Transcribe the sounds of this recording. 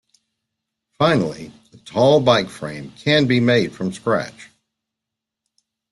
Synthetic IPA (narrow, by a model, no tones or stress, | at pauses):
fãɪ̃nl̩ˠi | ətʰɔlˠbaɪkfɹḛ̃ɪ̃mkʰɨ̃nbimeɪd̥fɹʌ̃mskɹæ̰t͡ʃ